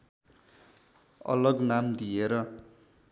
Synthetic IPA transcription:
ʌ̰lʌɡnamd̪ieɾʌ

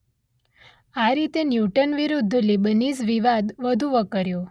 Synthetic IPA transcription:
aɾit̪enjuʈənʋiɾud̪ʱːlibənisʋiʋad̪ʋəd̪ʱuʋəkəɾjo

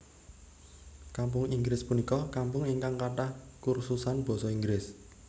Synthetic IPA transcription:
kampʊŋiŋɡɾɪspunikɔkampʊŋiŋkaŋkaʈahkursusanb̥ɔ̤sɔiŋɡɾɪs

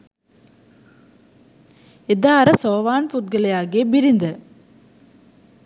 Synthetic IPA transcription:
ɪd̪aːɾɐsoːʋaːnput̪̚ɡɐlɐjaːɣeːbɪɾɪnd̪ɐ

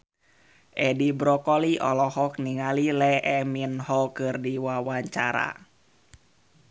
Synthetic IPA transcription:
ʔɛdibɾɔkɔliʔɔ̰lɔhɔk̚niŋalilɛʔɛminɦɔkɨrdiwawaɲt͡ʃaɾa̰

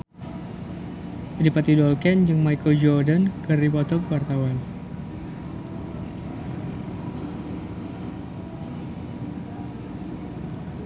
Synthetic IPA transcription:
dipat̪idɔlkɛnd͡ʒəŋmajkəld͡ʒɔrdənkəripɔt̪ɔkwart̪awan

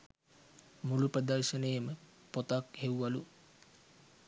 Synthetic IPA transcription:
muluprəd̪ɐrʃənejəmə | pot̪akhewʋalu

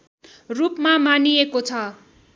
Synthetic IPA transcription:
rupmamanijekot͡sʰʌ

